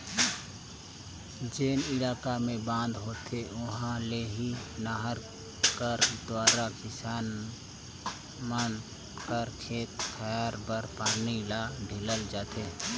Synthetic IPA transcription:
d͡ʒeːnilaːkamẽbãnd̪ʱɦoːt̪ʰeʊɦãleɦinaɦəɾ | kəɾd̪waːɾakɪsaːn | mən | kəɾkʰeːt̪̚kʰəjaːɾbəɾpaːnilaɖʱiləld͡ʒaːt̪e

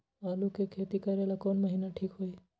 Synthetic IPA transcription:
alukekʰːet̪ikəɾelakonməɦinaʈʰiːkɦoj

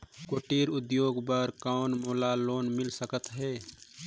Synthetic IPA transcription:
koʈiːɾʊd̪joːɡbəɾkaːnmoːlaloːnmɪlsəkət̪ɦɛː

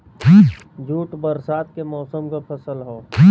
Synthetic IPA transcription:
d͡ʒʱuːʈbəɾsaːt̪kemɔːsəmkapʰɐsəlɦoː

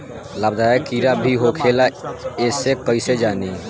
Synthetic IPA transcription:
labd̪aːekiɾabʱiɦokʰelaesekəised͡ʒaːne

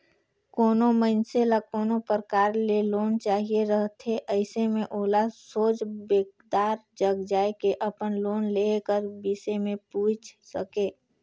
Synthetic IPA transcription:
koːnoməɪnselakoːnopəɾkaːɾleloːnt͡ʃaːɦieɾəɦt̪ʰeʔəɪsemẽʔoːlasoːd͡ʒbeːkd̪aːɾd͡ʒəɡd͡ʒaːekeʔəpənloːnleːkəɾbɪsemẽpuːt͡ʃʰsəkeː

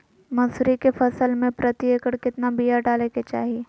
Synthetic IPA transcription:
mɐsɾikefɐsəlmẽpɾɐt̪ɪjəkəɽkɪt̪nabijaɖaːleket͡ʃa̰ːɦie

